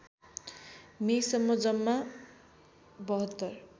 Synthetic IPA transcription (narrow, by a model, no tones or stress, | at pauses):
mesʌmːod͡zʌmːa | bʌɦʌt̪ːʌr